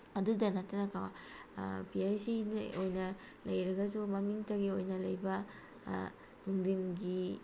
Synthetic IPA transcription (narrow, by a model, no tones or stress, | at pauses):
ɐdudɐnɐtɐnakawa | piajsiniojnɐ | lɐjɾɐɡɐzumɐmiŋtɐɡiojnɐlɐjbɐ | nuŋdiŋɡi